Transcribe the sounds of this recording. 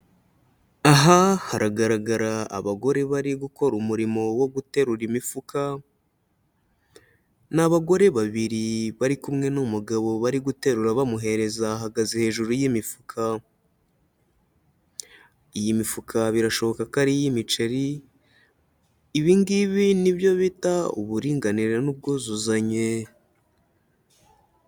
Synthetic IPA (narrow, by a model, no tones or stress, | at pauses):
aɦahaɾʔaɡaɾaɡaɾaa̰βaɡo̞ɾe̞βaɾiɡuko̞ɾumuɾimo̞wo̞ɡute̞ɾuɾimifukʰa | naβaɡo̞ɾe̞βaβiɾiβaɾikumŋe̞numuɡaβo̞βaɾiɡute̞ɾuɾaβamuɦe̞ɾe̞zaɦaɡazihe̞ːʒuɾujimifukʰa | ijimifukʰaβiɾaʃo̞βo̞kakaɾijimit͡ʃeɾi | βiːŋɡiβiniβjo̞βitaṵβuɾiːŋɡaniɾenub̚ɡoːzuzaɲe